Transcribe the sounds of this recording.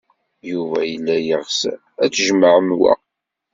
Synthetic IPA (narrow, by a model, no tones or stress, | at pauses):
juvæjəlːæjəʁs | æt͡sːʒməʕəmwæ̰